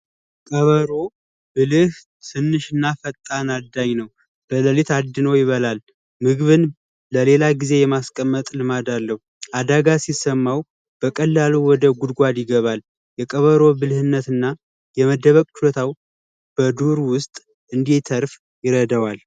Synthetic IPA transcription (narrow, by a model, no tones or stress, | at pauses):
kʼəβəɾo̞ | bɨlɨh | sɨnːɨʃɨnːafət̪ʼːanad̪aɲnəw | b̥ələlit̪ad̪ːɨnəwjɪβəlal | mɨɡβɨn | ləle̞laɡize̞jɛmaskʼəmːət̪ʼlɨmad̪alːəhu | ʔad̪aɡasisəmːaw | b̥əkʼəlːaluwɔd̪əɡud̪ɡʷad̪jɪɡəβal | jɛkʼəβəɾo̞bɨlhɨnːət̪ɨnːa | jɛməd̪ːəβəkʼt͡ʃʰuət̪ʰaw | b̥əd̪uɾwʊst̪ʼ | ʔɨnd̪it̪ʰəɾf | jɪɾəd̪əwal